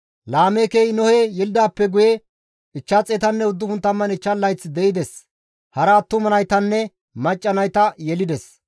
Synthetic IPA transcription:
laːmekejnɔhɛjɛlɪd̪aːpːɛɡʊjɛ | ɪt͡ʃːɐt͡sʼɛt̪ɐnːɛʊd̪ːʊhʊnt̪ːɐmːɐnɪt͡ʃːɐlːɐjt͡sːd̪ɛʔɪd̪ɛs | hɐɾɐt̪ːʊmɐnɐjt̪ɐnːɛ | mɐt͡ʃʼːɐnɐjt̪ɐjɛlɪd̪ɛs

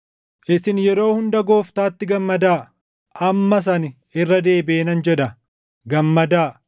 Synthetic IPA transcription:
ʔɪsɪnjɛɾo̞ːhʊnd̪ɐɡo̞ːft̪aːt̪ːɪɡɐmːɐd̪aː | ʔɐmːɐs̬ɐn | ɪrːɐd̪e̞ːbɪʔeːnɐnd͡ʒɛᶑɐ | ɡɐmːɐd̪aː

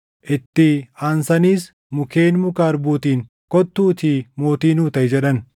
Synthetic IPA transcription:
ʔɪt̪ːɪaːnsɐniːs | mʊke̞ːnmʊkaːɾbuːt̪iːŋ | kɔt̪ːuːt̪imo̞ːt̪iːnuːt̪ɐʔɪd͡ʒɛᶑɐn

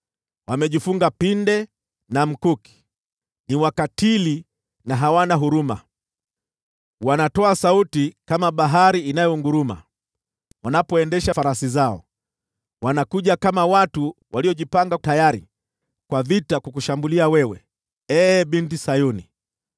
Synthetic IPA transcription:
wamɛʄifuŋɡapindɛ | nam̩kuki̥ | niwakatili | naɦawanaɦuɾuma̰ | wanatɔasautikamaɓaɦaɾiːnajɔŋɡuɾuma̰ | wanapɔɛndɛʃafaɾasizaɔ̰ | wanakuʄakamawatuwaliɔʄipaŋɡatajaɾḭ | kwavitakukuʃambuliawɛwɛ | ɛːɓintisajuni

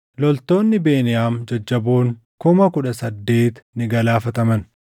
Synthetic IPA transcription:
lɔlt̪o̞ːnːɪbe̞ːnɪjaːmd͡ʒɐd͡ʒːɐboːŋ | kʊmɐkʊᶑɐsɐd̪ːe̞ːt̪nɪɡɐlaːfɐt̪ɐmɐn

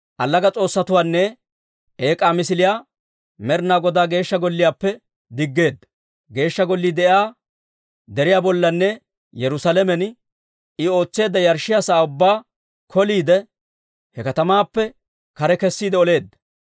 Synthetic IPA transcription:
ʔɐlːɐɡɐt͡sʼo̞ːsːɐt̪ʊwaːnːɛ | ʔe̞ːkʼaːmɪsɪlɪjaː | mɛɾnaːɡɔd̪aːɡe̞ːʃːɐɡɔlːɪjaːpːɛ | d̪ɪɡːe̞ːd̪ːɐ | ɡe̞ːʃːɐɡɔlːid̪ɛʔjaː | d̪ɛɾɪjaːbɔlːɐnːɛ | jɛɾʊsɐlɛmɛn | ɪo̞ːt͡sːe̞ːd̪ːɐjɐɾʃɪjasaːʊbːaː | kʰɔliːd̪ɛ | hɛkɐt̪ɐmaːpːɛ | kɐɾɛkɛsːiːd̪ɛɔle̞ːd̪ːɐ̥

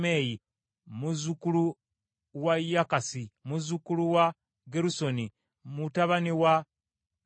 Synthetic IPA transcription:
meːji | muzukulu | wajakasimuzukuluwa | ɡeɾuso̞ni | mutaβaniwa

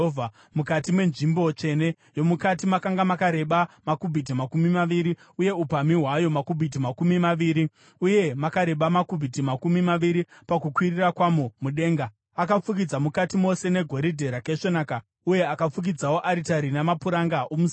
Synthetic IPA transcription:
a | mukatimwe̞nʐimbo̞t͡ʃe̞ne̞ | jo̞mukatimakaŋɡamakaɾe̞ɓamakubʱit̬imakumimaʋiɾi | uje̞upamiɦwajo̞makubʱit̬imakumimaʋiːɾi | uje̞makaɾe̞ɓamakubʱit̬imakumimaʋiɾipakukwirirakwamomuɗe̞ːŋɡa | akap͡fukid͡zamukatimo̞se̞ne̞ɡʱo̞ɾidʱe̞ɾake̞ʂonaka | uje̞akap͡fuk̬id͡zawo̞ʔaɾitaɾinamapuɾaŋɡaʔomus

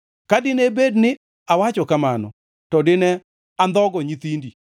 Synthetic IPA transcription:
kadɪnebednɪ | awat͡ʃɔkamanɔ̰ | tɔdɪnɛ | and̪ɔɡɔɲit̪indi

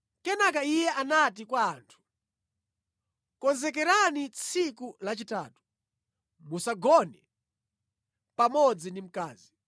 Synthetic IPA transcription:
kɛnak̬aijɛʔanatikwaːntʰu̥ | kɔnzɛk̬ɛɾanit͡sʰikulat͡ʃitaːtu̥ | musaɡɔnɛ | pamɔd͡zindim̩kaːzi

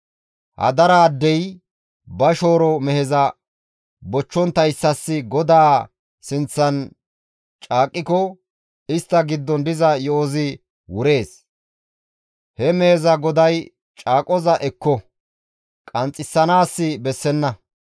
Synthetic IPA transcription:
hɐ̰d̪ɐɾaːd̪ːɛj | bɐʃo̞ːɾɔmɛhɛzɐ | bɔt͡ʃːɔnt̪ɐjsːɐsːɪɡɔd̪aː | sɪnt͡sːɐn | t͡ʃʼaːkʼːɪkɔ | ɪst̪ːɐɡɪd̪ːɔnd̪ɪzɐjɔoːzɪ | wʊɾe̞ːs | hɛmɛhɛzɐɡɔd̪ɐj | t͡ʃʼaːkʼɔzɐʔɛkːɔ | kʼɐnt͡sʼːɪsːɐnaːsːɪbɛsːɛnːɐ

